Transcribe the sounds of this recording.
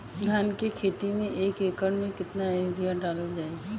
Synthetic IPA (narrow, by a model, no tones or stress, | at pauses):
d̪ʱjaːnkekʰeːt̪imẽʔeːkeːkəɳmẽkɪt̪naoːɾijaɖaːləld͡ʒaːe